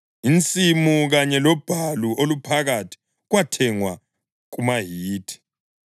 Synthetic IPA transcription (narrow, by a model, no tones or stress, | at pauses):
int͡sʼimuɣaɲɛlɔb̥ʱaluʔolupʰaɣatʰi̥ | ɣwatʰɛŋwa | ɣ̬umaɦiːtʰi̥